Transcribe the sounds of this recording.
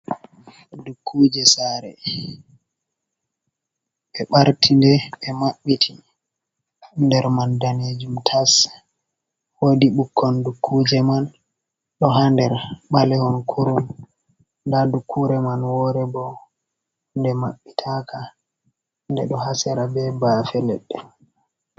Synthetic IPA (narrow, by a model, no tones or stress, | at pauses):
dukʰːud͡ʒɛsaɾɛ̰ | ɓɛɓaɾtʰindɛɓɛmaɓːitʰi | ndɛɾmandaned͡ʒumtʰas | wodiɓukʰːɔndukʰːud͡ʒɛman | ɗɔɦandɛɾɓalɛhɔnkʰuɾum | ndadukʰːuɾɛmanwɔɾɛbɔ | ndɛmaɓːitʰaka | ndɛɗɔhasɛɾabɛbafɛlɛɗːɛ